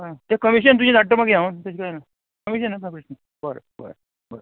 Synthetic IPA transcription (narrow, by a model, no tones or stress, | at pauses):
ɦãt̪ekəmiɕ̬ənt̪ud͡ʑinaʈːəɾmaɡiaunt̪et͡ɕkaena | kəmiɕənːamapɾeʂnə | bəɾə̰ | bə̰ɾə̰ | bəɾə